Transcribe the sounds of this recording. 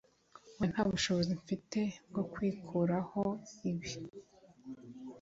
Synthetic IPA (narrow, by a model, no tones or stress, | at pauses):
βwen̥haːβuʃo̞βo̞ziɱfite̞b̚ɡo̞kwiːkʰuɾaho̞iβi